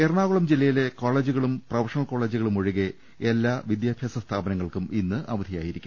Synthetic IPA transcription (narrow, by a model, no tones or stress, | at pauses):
erɳaːɣuɭɐmd͡ʑilːɐjile̞koːɭeːd͡ʑuɣɐɭumprɐʋɐʂɐŋɐko̞ːɭeːd͡ʑuɣɐɭumoɻiɣe | elːaːʋid̪jaːbʱjaːsɐst̪ʰaːbɐnɐŋːɐɭkuminːɨʔɐʋɐd̪ʱijaːjiɾikʲːumm